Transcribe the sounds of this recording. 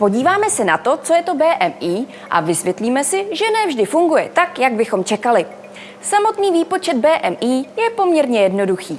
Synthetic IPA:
po̞ɟiːvaːmɛsɛnat̪o̞t͡so̞jɛt̪o̞bɛːʔɛmʔiː | ʔa̰vɪsvjɛt̪liːmɛsɪʒɛnɛvʒdɪfuŋɡujɛt̪akjaɡ̚bɪxo̞mt͡ʃɛkalɪ | samo̞t̪niːviːpo̞t͡ʃɛd̪̚bɛːʔɛmʔiːjɛpo̞mɲɛɾɲɛjɛdno̞duxiː

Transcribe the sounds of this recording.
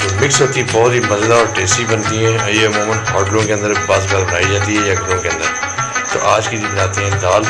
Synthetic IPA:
d͡ʒoːmɪksot̪ibɔːt̪ɦiːməzd̪aɔːɾʈeːsibənt̪iɦɛ̃ːjeɐmuːmənɦɔːʈlõːkeə̃nd̪əɾbaːzɡaːɾbənaːid͡ʒaːt̪iɦɛjaːɡʱɐɾõkeɐ̃nd̪əɾ | t̪o̰ːʔaːd͡ʒkid͡ʒbnaːt̪eɦɛ̃ːɖaːl

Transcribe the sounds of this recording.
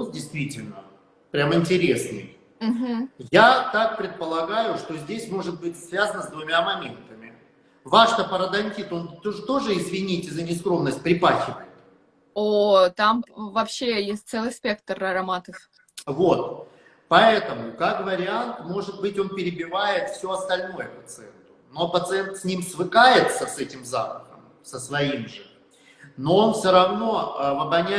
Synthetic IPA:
ozdʲɪjst̪vʲitʲɪlʲnə | pɾʲamɪnʲtʲɪɾʲesnɨ̰j | m̩ɦm̩jat̪ak̚pɾʲɪt̪̚pəlˠɐɡajʊʂt̪o̞zʲdʲesʲmo̞ʐɨt̪̚bɨtʲsvʲazənəzd̪vʊmʲamɐmʲe̞nt̪əmʲɪ | vaʂt̪əpəɾəd̪ɐnʲtʲit̪o̞not̪o̞ʐɨɪzvʲɪnʲitʲɪzənʲɪskɾo̞mnəsʲt̚ʲpɾʲɪpaxʲɪvəjɪt̪ | ot̪amvɐpɕːejesʲt̚ʲt̪sɛlˠɨjsʲpʲe̞k̚t̪rɐɾɐmat̪ɨf | vot̪̚ | pɐɛt̪əmʊkakvəɾʲɪant̪mo̞ʐɨt̪̚bɨtʲo̞npʲɪɾʲɪbʲɪvajɪt̪fsʲoɐst̪ɐlʲno̞jəpət̪sɨɛnt̪ʊno̞pət̪sɨɛnt̪sʲnʲimsvɨkajɪt̪səsɛtʲɪmzapəxəm | səsvɐimʐɨ | no̞onfsʲoɾɐvno̞vɐbɐnʲæ

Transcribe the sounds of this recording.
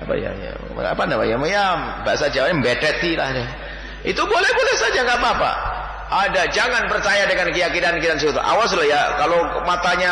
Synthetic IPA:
apa̰ja̰ja̰ | a̰pandabajaməjamba̰ʔsad͡ʒanmbɛtɛt̪ila̰hdɛ | ḭt̪ubolɛhbolɛhsad͡ʒaŋɡapaːpa̰ | adad͡ʒaŋanpərt͡ʃajadəŋankəjakidankidans̬ut̪ṵʔa̰was̬lajakalomat̪aɲa

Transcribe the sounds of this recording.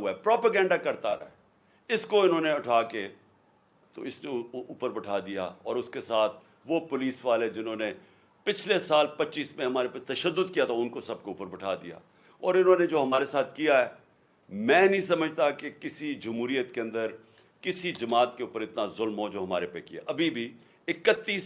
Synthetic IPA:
ɦuaɛpɾɔːpəɡɛ̃ːɳɖakɐɾt̪aɾɐ̰ɦɛ | ɪskoɪnɦõːneʊʈʰaːke | t̪o̰ɪsneuːpəɾbɐʈʰaːd̪ija̰ɔ̰ːɾʊskesaːt̪̚ʰ | ʋopʊliːsʋaːled͡ʒɪnɦõːne | pɪt͡ʃʰlesaːlpɐtːʃiːsmẽɦɐmaːɾepet̪ɐʃəd̪ːʊd̪kijat̪ʰaʊnkosɐb̚kouːpəɾbɐʈʰa̰ːd̪ḭja̰ː | ɔːɾɪnɦõːned͡ʒoːɦɐmaːɾesaːt̪ʰkijaɦɛː | mɛ̃ːnɐɦĩs̬ɐməd͡ʒʱt̪akekɪsid͡ʒɐmɦuːɾijət̪keɐ̃nd̪əɾ | kɪsid͡ʒɐmaːt̪keuːpəɾɪt̪nazʊlmɦod͡ʒoːɦɐma̰ːɾepekija̰ʔɐbʱibʱi | ɪkət̪ːiːs

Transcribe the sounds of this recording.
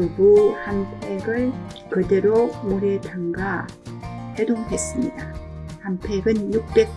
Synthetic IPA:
ɯbuhampʰe̞ɡɯɭ | kɯde̞ɾomuɾe̞tɯŋɡa | he̞doŋɦe̞s͈ɯmɲidahampʰeɡɯnjuk̚p͈e̞k̚

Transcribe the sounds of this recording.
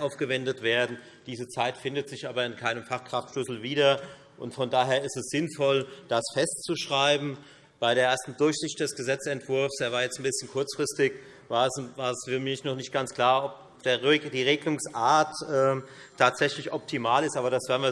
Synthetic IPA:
ʔaʊfɡ̥əvɛndətv̥eːɐdn̩ | d̥iːzət͡saɪtfɪndətz̥ɪçʔaːbɐɪnkʰaɪnəmfaχkʁ̥aχtʃlʏsl̩viːdɐ | ʔʊntfɔndaːɦeːɐɪstɛsz̥ɪnfɔld̥asfɛstt͡suʃʁ̥aɪbm̩ | b̥aɪɾeːɐʔeːɐstn̩dʊɐçz̥ɪçt̚d̥ɛsɡ̥əzɛt͡sɛntv̥ʊɐfseːɐvaːɐjɛt͡stn̩bɪsçənkʰʊɐt͡sfʁ̥ɪstɪk | vaːɐɛsvaːɐɛsfɪɐmiɐçnɔχnɪçt̚ɡ̥ant͡skl̥aːɐɔp̚ | d̥eːɐd̥iːʁeːɡlʊŋsʔaːɐtʔɛːtʰaːtz̥ɛçlɪçʔɔp̚tʰimaːlɪstʔaːbɐɾasv̥ɛːɐnviɐ

